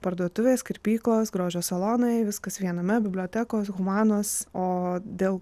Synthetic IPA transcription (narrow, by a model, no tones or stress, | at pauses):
pɐɾd̪uɔt̪ʊʋʲeːskɪɾʲpʲiːklˠoːsɡɾoːʒʲoːssɐlˠoːnɐɪʋʲɪskɐsʋʲiɛnomʲɛbʲɪbʲlʲoːt̪ʲæːkoːsɣʊmɑːnoːsoːd̪ʲeːlˠ